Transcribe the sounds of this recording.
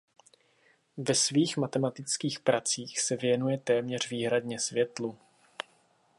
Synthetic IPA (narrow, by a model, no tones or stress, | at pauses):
vɛsviːxmat̪ɛmat̪ɪt͡skiːxpɾat͡siːxsɛvjɛnujɛt̪ɛːmɲɛr̝viːɦɾad̪ɲɛsvjɛt̪lu